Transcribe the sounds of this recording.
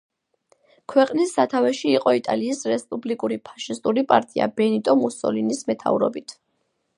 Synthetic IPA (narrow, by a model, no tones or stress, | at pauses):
kʰwɛqʼnisːat̪ʰavɛʃiːqʼɔit̪ʼa̰liːsɾɛspʼublikʼuɾipʰḁʃist̪ʼuɾipʼa̰ɾt̪ʼia̰bɛnit̪ʼɔmusɔ̰linismɛt̪ʰa̰vɾɔ̰bit̪ʰ